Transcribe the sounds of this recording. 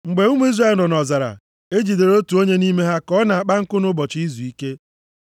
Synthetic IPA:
ŋ͡m̩˨ɡ͡be˨˦u˦mu˦i˦zɾa˦e˦˨lnɔ˨nɔ˨za˨ɾa̰˨ | e˦d͡ʒi˨de˨ɾo˦tu˨o˦ɲe˦ni˦me˦ɦa˦kɔ˦na˨a˨k͡pa˦ŋ̩˦kʊ˦nʊ˦bɔ˨t͡ʃi˦zu˨i˦ke˦

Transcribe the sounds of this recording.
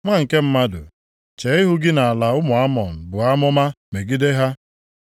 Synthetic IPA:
ŋʷa˦ŋ̩˨ke˦m̩˦ma˦dʊ̰˨ | t͡ʃe˨˦ɪ˦ɦʊ˦ɡɪ˦na˨a˨la˨ʊ˦mʊ˨a˦mɔ˨m̩˨bʊ˨a˦mʊ˦ma˦ | me˨ɡi˦de˦ɦa˦

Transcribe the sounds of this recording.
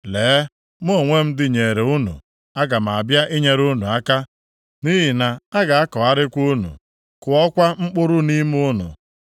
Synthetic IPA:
leː˨˦ | m˦o˦˨ŋʷe˦m̩˦dɪ˦ɲe˨ɾe˨u˦nṵ˨ | a˦ɡa˨m̩˨a˨bja˦ʔe˦ɲe˦ɾu˦nu˨a˦ka˦ | ni˦ɦɪ˨na˨a˦ɡa˨a˦kɔ˨a˦ɾɪ˦kʷu˦nṵ˨ | kʊ˨ɔ˦kʷa˦ŋ͡m̩˦k͡pʊ˦ɾʊ˦ni˦m˦ʊ˦nʊ̰˨

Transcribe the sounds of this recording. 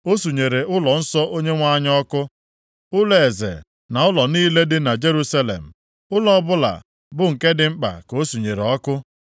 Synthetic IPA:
o˦su˨ɲe˨ɾe˨ʔʊ˦lɔ˨n̩˦sɔ˦ʔo˦ɲe˦ŋʷa˦ɲ˦ɔ˦kʊ˦ | ʊ˦le˨e˨zḛ˨ | na˨ʊ˦lɔ˨ni˦le˦dɪ˦na˨d͡ʒe˦ɾu˦sa˦lḛ˨m̩˨ | ʊ˦lɔ˦bʊ˦la̰˨ | bʊ˨ŋ̩˨ke˦dɪ˦ŋ͡m̩˦k͡pa̰˨ko˦su˨ɲe˨ɾɔ˦kʊ˦

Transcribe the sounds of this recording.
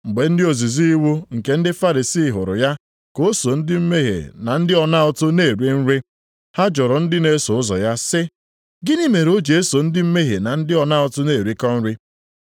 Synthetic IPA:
ŋ͡m̩˨ɡ͡be˨n̩˦dɪ˦o˨zi˨zi˦i˦wu˦ŋ̩˨ke˨n̩˦dɪ˦fa˦ɾi˨siː˦˨ɦʊ̰˨ɾʊ̰˨ja˦ | ko˦so˨n̩˦dɪ˦m̩˦me˦ɦḛ˨na˨n̩˦dɪ˦ɔ˨na˦ɔ˦tʊ˦ne˦˨ɾi˦n̩˦ɾɪ˦ | ha˦d͡ʒʊ˨ɾʊ˨n̩˦dɪ˦ne˦so˨ʊ˦zɔ̰˨ja˦sɪ˦ | ɡɪ˦ni˦me˨ɾo˦d͡ʒe˨e˦so˨n̩˦dɪ˦m̩˦me˦ɦe˨na˨n̩˦dɪ˦ɔ˨na˦ɔ˦tʊ˦ne˦˨ɾi˦kɔ˦n̩˦ɾɪ˦

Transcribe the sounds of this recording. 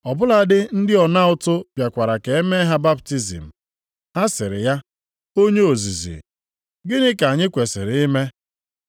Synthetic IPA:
ɔ˨bʊ˦la˨dɪ˦n̩˦dɪ˦ɔ˨na˦ʊ˨tʊ˦pja˨kʷa˨ɾa˨ke˨e˦me˦ɦa˦ba˦b̚ti˦zḭ˨m̩˨ | ha˦sɪ˨ɾɪ˨ja˦ | o˦ɲe˦o˨zi˨zḭ˨ | ɡɪ˦nɪ˦ka˨ɲɪ˦kʷe˨sɪ̰˨ɾɪ˦me˦

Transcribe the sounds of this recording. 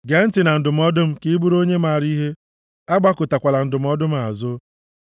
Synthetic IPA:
ɡe˨n̩˦tɪ˨na˨n̩˨dʊ˨m̩˦ɔ˦dʊ˦m̩˦ki˦bu˦ɾo˦ɲe˦maː˨ɾi˦ɦe˦ | a˦ɡ͡ba˦kʊ˨ta˨kʷa˨la˨n̩˨dʊ˨m̩˦ɔ˦dʊ˦m̩˦a˨zʊ˦

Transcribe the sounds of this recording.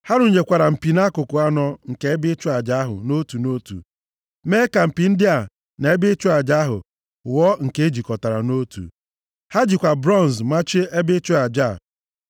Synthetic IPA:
ha˦ɾʊ˨ɲe˨kʷa˨ɾa˨m̩˨pi˨na˦kʊ˨kʊ˨a˦nɔ˦ŋ̩˨ke˨˦e˦bɪ˦t͡ʃʊ˦a˨d͡ʒa˦ɦʊ̰˨no˦tu˨no˦tṵ˨ | me˦ka˨m̩˨pi˨n̩˦dɪ˦a˨ | ne˨e˦bɪ˦t͡ʃʊ˦a˨d͡ʒa˦ɦʊ̰˨ | wɔ˦ŋ̩˨ke˦e˦d͡ʒi˨kɔ˨ta˨ɾa˨no˦tṵ˨ | ha˦d͡ʒi˨kʷa˨bɾɔ˦˨n˨zma˦t͡ʃe˦e˦bɪ˦t͡ʃʊ˦a˨d͡ʒa˦˨

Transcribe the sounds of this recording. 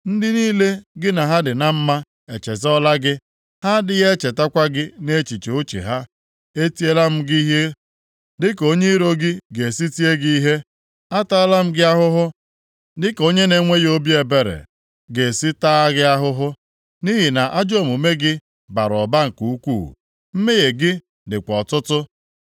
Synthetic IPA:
n̩˦dɪ˦niː˦le˦ɡɪ˦na˨ɦa˦dɪ˨na˨m̩˦ma˦ | e˨t͡ʃe˨zɔ˦la˦ɡɪ˦ | ha˦dɪ˦ɣe˦t͡ʃe˨ta˦kʷa˦ɡɪ˦ne˦˨t͡ʃi˨t͡ʃe˨o˦t͡ʃḛ˨ɦa˦ | e˦ti˦e˦la˦m̩˦ɡi˦ɦe˦ | dɪ˦ko˦ɲe˦i˦ɾo˦ɡɪ˦ɡe˨si˦ti˦e˦ɡi˦i˦ɦe˦ | a˦ta˦la˦m̩˦ɡɪ˦a˦ɦʊ˦ɦʊ˦ | dɪ˦ko˦ɲe˦ne˨˦ŋʷe˦jo˦bi˦e˨be˨ɾḛ˨ | ɡe˨si˦taː˦a˦ɣɪ˦a˦ɦʊ˦ɦʊ˦ | ni˦ɦi˨na˨ʔa˦d͡ʒo˦˨mu˨me˦ɡɪ˦ | ba˨ɾɔ˨ba˦ŋ̩˨ku˨u˦kʷṵ˦˨ | m̩˦me˦je˨ɡɪ˦ | dɪ˨kʷɔ˨tʊ˦tʊ˦

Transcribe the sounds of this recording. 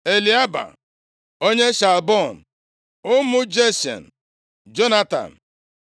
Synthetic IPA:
e˨li˨a˦ba̰˨ | o˦ɲe˦ʃa˨lbɔ˦˨n̩˨ | ʊ˦mʊ˦d͡ʒe˦si˨ɔ̰˨n̩˨ | d͡ʒo˦na˦ta̰˨m̩˨

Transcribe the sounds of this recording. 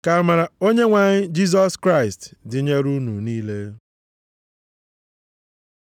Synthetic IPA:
ka˨ma˨ɾa˨o˦ɲe˦ŋʷa˨ɲɪ˦d͡ʒi˦z̬ɔ˦skɾa˦ɪ˨stdɪ˨ɲe˦ɾu˦nṵ˨niː˦le˦

